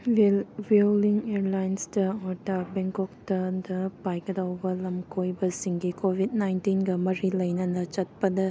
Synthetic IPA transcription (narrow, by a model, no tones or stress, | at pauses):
wewliŋeɾlajnsdɐɔtabeŋkɔk̚tɐdɐpajɡɐdawbɐlɐmkʰojbɐsiŋɡikʰobʱit̚najntinɡɐmɐɾilɐjnɐnɐt͡ʃɐt̚pɐdɐ